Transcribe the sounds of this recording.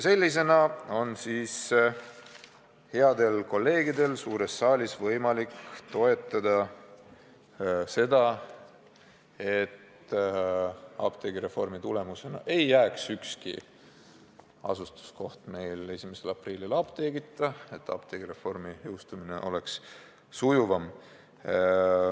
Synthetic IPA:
jse̞lʲːis̬e̞nɑo̞nsiːs | he̞ɑd̪̥e̞lko̞lːe̞ːɡid̪e̞lsuːɾe̞sːɑːlʲisvɤjmɑlikt̪o̞e̞t̪ːˑɑd̪̥ɑ | se̞d̪̥ɑ | e̞t̪ | ɑb̥t̪e̞ɡiɾe̞fo̞rmit̪ule̞muse̞nɑ̰ʔe̞jːæːksykskḭ | ɑ̰sust̪u̥sko̞ht̪me̞jle̞sʲimese̞lɑpriːlːilɑb̥t̪e̞ɡ̥it̪ːˑɑe̞t̪ːˑɑ̰b̥̚t̪eɡ̥iɾe̞fo̞rmijɯwst̪umine̞̰ʔo̞̰le̞ksː | ujuvɑm

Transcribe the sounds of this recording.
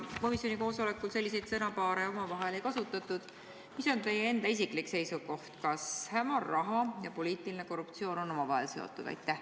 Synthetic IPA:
ko̞misjo̞niko̞ːso̞le̞kːˑulse̞lːis̬e̞jt̪sɤnɑpɑːɾeo̞mɑvɑɦe̞le̞jkɑsut̪ːˑɑt̪ːˑud̪̥ | miso̞nt̪e̞jːee̞nd̪ɑis̬iklikse̞jsuko̞ht̪kɑshæmɑrːɑɦɑjɑpo̞liːt̪ˑiline̞ko̞rup̚t̪sio̞ːno̞no̞mɑvɑɦe̞̰lse̞o̰t̪ːˑud̪ɑ̰jt̪ːˑæh

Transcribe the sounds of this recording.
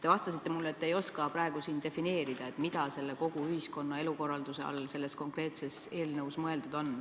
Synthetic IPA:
t̪e̞vɑst̪ɑsit̪ˑːemulːet̪ːejo̞skɑpɾɑeɡ̥usiːnd̪̥e̞fine̞ːɾid̪̥ɑe̞t̪mid̪̥ɑse̞lːe̞ko̞ɡ̥uyhisko̞nːɑe̞luko̞rːɑld̪̥use̞ɑ̰lse̞lːe̞sko̞ŋkre̞ːt̪se̞se̞ːlnɤwsmɤe̞ld̪ud̪̥o̞n

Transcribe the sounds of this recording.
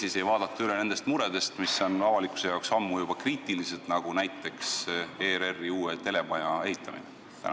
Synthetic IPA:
sise̞jvɑːd̪̥ɑt̪ːˑuyle̞ne̞nd̪̥e̞st̪muɾe̞d̪̥e̞st̪misːo̞nɑvɑlikˑu̥se̞jɑoksɑmːujub̥ɑkriːt̪ːˑiliselt̪nɑɡ̥unæjt̪ːˑe̞kseɾe̞rːiuːet̪e̞le̞mɑjɑe̞ɦit̪ːˑɑmḭne | t̪æ̰nɑ

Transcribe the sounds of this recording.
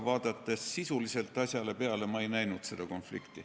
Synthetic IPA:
vɑːd̪̥ɑt̪ːˑe̞sːisulise̞lt̪ːˑɑsʲjɑle̞pe̞ɑle̞mɑejnæjnud̪̥se̞d̪̥ɑko̞nflḭkt̪i

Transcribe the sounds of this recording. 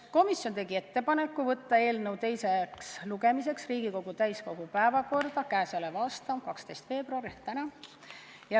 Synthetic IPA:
ko̞misjo̞nt̪e̞ɡie̞t̪ːe̞pɑne̞kːuvɤt̪ːɑe̞ːlnɤwt̪e̞jseksluɡe̞mise̞ksriːɡiko̞ɡ̥ut̪æjsko̞ɡ̥upæevɑko̞rd̪̥ɑkæːsɑlevɑːst̪ɑmkɑkst̪e̞jst̪fe̞ːbruɑɾit̪ænɑ | jɑ

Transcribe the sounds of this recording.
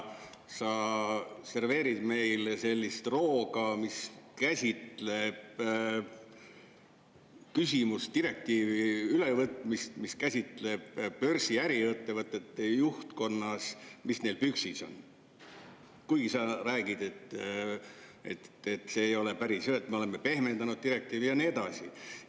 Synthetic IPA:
sɑ | se̞rve̞ːɾid̪̥me̞jlse̞lʲːist̪ro̞ːɡ̥ɑmiskæsʲit̪le̞b̥̚ | kysʲimust̪iɾe̞k̚t̪iːviylevɤt̪ːmist̪miskæsʲit̪ˑle̞b̥pø̞rsiæɾiet̪ːe̞vɤt̪ːˑe̞t̪ˑːejuht̪ko̞nːɑsmisne̞jlpyksiso̞̰n | kujɡisɑɾæːɡid̪̥et̪ | e̞̰t̪et̪ːse̞ːjo̞le̞pæɾisjøet̪ːmele̞mːepe̞hme̞nd̪ɑnud̪̥̚t̪iɾe̞k̚t̪iːvijɑnie̞d̪ɑsi

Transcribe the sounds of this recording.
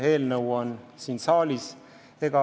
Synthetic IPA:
e̞ːlnɤwonsiːnsɑːlʲis | eɡ̥ɑ

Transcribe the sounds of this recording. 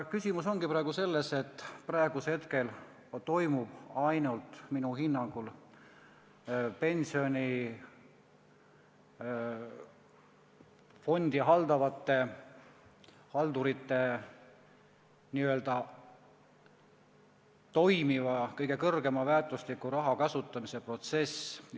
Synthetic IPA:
kysʲimuso̞ŋɡ̥ipɾɑeɡ̥use̞lːe̞se̞t̪ˑːprɑeɡ̥ushet̪ke̞l | t̪o̞jmub̥ɑjnult̪minuɦinːɑŋɡ̥ul | pe̞nsio̞nʲi | fo̞nd̪̥iɦɑld̪ɑvɑt̪ːˑe̞ | hɑld̪uɾit̪ːe̞ | niːø̞ld̪̥ɑ | t̪o̞jmivɑkɤjɡ̥e̞kɤrɡ̥e̞mɑvæːt̪ːˑuslikːˑuɾɑɦɑkɑsut̪ːˑɑmise̞pro̞t̪se̞s

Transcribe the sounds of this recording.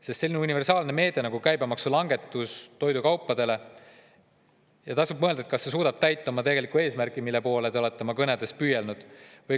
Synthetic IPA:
sest̪se̞lʲːinunive̞rsɑːlne̞me̞ːd̪̥e̞nɑɡ̥ukæjbemɑksulɑŋɡe̞t̪ːˑust̪o̞jd̪ukɑwpːˑɑd̪̥e̞le̞ | jɑt̪ɑsub̚mɤ̞eld̪ɑet̪kɑsːe̞suːd̪̥ɑb̥̚t̪æjt̪ːˑɑmɑt̪e̞ɡelikːue̞ːsmæɾkˑimilːe̞po̞ːlet̪eo̞le̞t̪ːemɑkɤned̪̥e̞spyːjelnud̪̥vɤj

